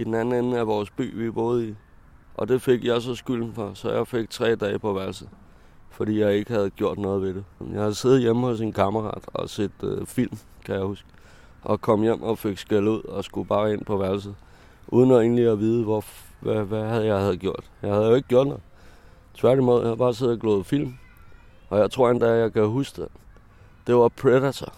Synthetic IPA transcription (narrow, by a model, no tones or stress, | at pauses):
id̥enæn̩en̩æʋɒːsb̥y̰ːʋib̥o̝ːð̞̩ˠi | ʔɒ̽d̥e̝fe̝ɡ̥jɑ̈ɪs̬ɒ̽sɡ̥yl̰n̩fɒsɒ̽jɑ̈ɪfeɡ̥̚t͡sʰʁɛ̰ːd̥ɛːpɒ̽ʋæɐlsð̩ˠ | fɒd̥ḭːjɑ̈ɪe̝ɡ̥əhæð̞̩ˠɡ̥jo̝ɐ̰d̥nɔ̽ːð̞̩ˠʋe̝ɾ̥ejɑ̈ɪhæðˠse̝ð̩ˠjeməhɔ̽sinkʰɑməʁɑ̰̈d̥ɒ̽se̝d̥fil̰m | kʰæjɑ̈ɪhusɡ̥ | ʔɒ̽kʰɒ̽m̰jem̰ɒfe̝ɡ̥sɡ̥eluð̞̰ˠɒ̽sɡ̥ub̥ɑ̈ːe̝n̰pʰɒ̽ʋæɐls̬ð̩ˠ | ʔuð̞ˠnɒe̝ːnliɒʋiːð̞ˠʋɒ | ʋæʋæhæðˠjɑ̈ɪhæð̞̩ˠɡ̥jo̝ɐ̰d̥jɑ̈ɪhæð̩ˠjo̝e̝ɡ̥əɡ̥jo̰ɐ̰d̥nɔ̽ð̩ˠ | t͡sʰʋæɐɾ̥imoðˠjahab̥ɑ̈ːse̝ðˠɡ̥lɔːð̩ˠfil̰m | ʔɒ̽jɑ̈ɪt͡sʰʁo̝ɐ̰end̥æjɑ̈ɪkʰæɦusɡ̥̚d̥e | d̥e̝ʋɑ̈pʰʁeɾæt͡sʰɐ